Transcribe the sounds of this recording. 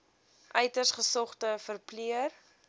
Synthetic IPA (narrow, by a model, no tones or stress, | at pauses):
ʔœɥtərsχəsɔχtəfərpliər